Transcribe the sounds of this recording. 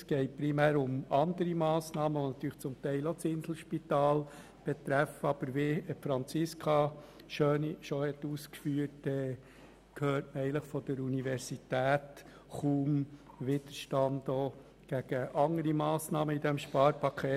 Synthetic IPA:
sɡ̥ɛɪtpɾimæːɾʊmɑnd̪əɾimɑːsnɑːməʋonɑt̪yːɾlə̥t͡sʊmt̪ɛɪlot͡sɪnsl̩ʃpit̪ɑːl | b̥ɛt̪ɾæfəɑb̥əɾʋeːfɾɑnt͡sɪskʰɑ | ʃøːniʃɔhɛt̪ːuːskfyːətd̥ɛ | kʰhøːɾtməɛɪləχfɔd̥əɾuniʋɛɾsit̪æːt | χuːm | ʋɪd̪̥əɾʃtɑndoː | ɡ̥æɡ̥əʔɑŋəɾimɑːsnɑːməid̪ɛmʃpɑːɾpʰɑkʰeː

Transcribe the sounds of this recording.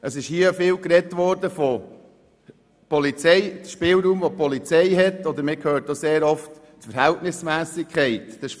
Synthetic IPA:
əsɪʃhiəfɪːlkɾɛtʋɔːɾd̥əfɔ | pɔlit͡sɛɪʃpɪːlɾuːmʋɔpɔlit͡sɛɪɦɛtːɔd̪əɾmɪkʰøːɾtːoseːɾɔft | tfəɾhæltnɪsmæːsɪkʰχɛɪtd̥əʃ

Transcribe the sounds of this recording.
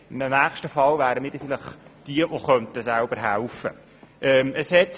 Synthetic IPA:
ɪndənæːχʃtəfɑlvæːɾəmiːɾd̥ɛfɪləχd̥iəʋoχœnt̪əsælbəɾɦælfə̰ | ʔɛːməshɛt

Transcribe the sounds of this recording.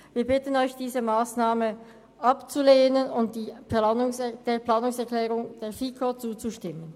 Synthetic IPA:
viːɐbɪtən̩ɔʏçd̥iːzəmaːsnaːmə | ʔapt͡suleːnənʊnt̚d̥iːpanʊŋsɛd̥eːɐplaːnʊŋsɛɐklɛːʁʊŋd̥eːɐfiːkʰot͡suːt͡suʃtɪmən

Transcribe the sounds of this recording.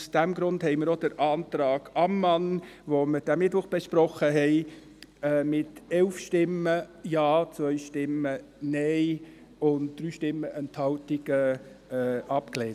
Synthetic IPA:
sd̥æmɡɾʊndhɛɪmɪɾod̥əɾʔɑːnt̪ɾɑːɡ̥ɑmːɑnʋoməd̥æmɪtʋʊχb̥eʃpɾɔχəɦɛɪ | ɛːmɪtɛlfʃtɪmːəjɑːt͡sʋœʏʃtɪmənɛɪ | ʊndd̥̪ɾyːʃtɪmːəʔɛnthɑltɪɡ̥ə | ɛːʔɑpkleːn

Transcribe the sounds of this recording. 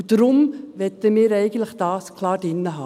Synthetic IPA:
d̥ɾʊmʋɛt̪əmiːɾɛɪɡən̩tləχd̥ɑːskʰlɑːɾd̥ɪnːəɦɑː

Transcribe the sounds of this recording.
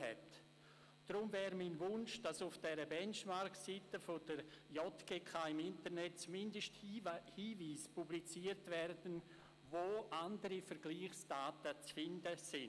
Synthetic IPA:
ɛ̰t | d̥ɾʊmvɛːɾminvʊnʃd̥asʊfd̥ɛɾəbɛnt͡ʃmaɾksitəfodəɾjɔtɡ̥eːkʰaːɪmɪntəɾnɛt̚t͡sumɪndəʃthiːviːspublit͡siːəɾtvɛrdən̩ | voːʔandəɾifəɾɡ̥liːχsd̥aːtət͡sfɪndəsɪn

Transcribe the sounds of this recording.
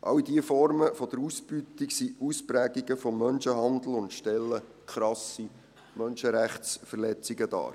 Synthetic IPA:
ʔɑ̰widiəfɔɾməfɔd̥̪əɾusbyːt̪iksiuspɾæːɡiɡəfɔmːœnʃəɦɑnd̪l̩ʊntʃtɛlːə | kʰɾɑsi | mœnʃəɾæχsfəɾlɛt͡siɡəd̥̪ɑ̰ː

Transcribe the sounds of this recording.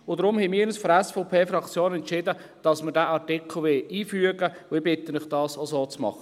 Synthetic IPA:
ʊdɾʊmhɛmiːɾnəsfɾɛsfɔpʰeːfɾɑkt͡sjoːnɛntt͡ʃɪdə | d̥ɑsməɾdæːʔɑɾtɪkʰl̩ˠʋɪliːfyəɡə | ʊɪbɪtənɪχd̥ɑːsosoːt͡smɑ̰χə

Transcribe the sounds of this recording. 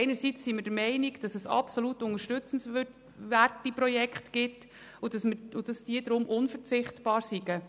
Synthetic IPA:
ɛɪnəɾsit͡sːimɪɾd̥əɾmɛɪniɡd̥ɑsɛsɑ̰psolutʊnəɾʃtɵt͡səns | ʋærtiprɔjɛkχtɡ̥ɪt | ʊd̥ɑsməʊd̥ɑsd̥iədɾʊmʔʊnfəɾt͡sɪχtb̥ɑːɾsiɡə

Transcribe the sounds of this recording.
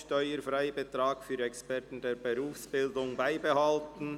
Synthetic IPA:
ʃtɔʏəɾfʁaɪbətʁ̥aːkfyːɾɛkspɛʁtn̩deːɾbəʁuːfsb̥ɪldʊŋbaɪbəhaltn̩

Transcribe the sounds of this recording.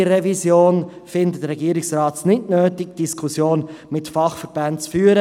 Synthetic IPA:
ɾɛvisjoːnfɪnd̪əd̪rːɛɡiəɾɪksrɑːtnɪtnøːtɪk̚d̥iskʰusjoːnmɪtfɑχfəɾb̥antt͡sfyːəɾə

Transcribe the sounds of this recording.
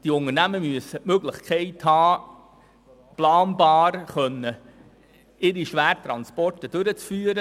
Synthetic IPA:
d̥iʊnənæməmyəsəmøɡlɪχkχɛɪthɑː | plɑːnbɑːɾχœnːə | ɪɾiʃʋæːrt̪ɾɑnspɔrtəd̥øɾət͡sfyːəɾə

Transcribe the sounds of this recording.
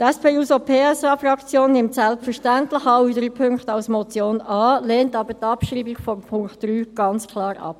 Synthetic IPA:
tɛspʰeːuːsopʰeːɛsɑːfrɑkt͡sjoːnːɪmtsɛlpfəʁʃtæntlɪχɑyd̪əɾipʰʏŋktɑlsmɔt͡sjoːnɑːleːntɑːbətɑpʃʁiːbiɡfɔmpʰʊŋkt̚ːryːɡ̥ɑnt͡skʰlɑːɾɑ̰p

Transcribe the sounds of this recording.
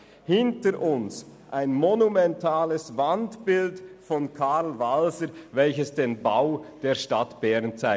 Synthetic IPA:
hɪntəɾʔʊns | ʔaɪnmonumɛntʰaːləsvantb̥ɪltfɔnkʰalvalzəɾvɛlçəsd̥eːnbaʊd̥eːɐʃtatb̥ɛʁnt͡saɪ

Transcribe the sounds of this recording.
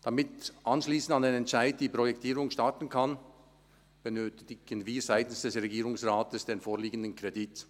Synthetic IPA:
d̥amɪtʔɑnʃliːsən̩dtandenɛntʃaɪd̚d̥iːpʁ̥ɔjɛktʰiːɾʊŋʃtatn̩kʰan | b̥ənøːtɪɡ̥ənviːzaɪtn̩sd̥ɛsʁeɡiːɾʊŋsʁaːtəsd̥enfoːɐliːɡəndənkʁ̥edɪt

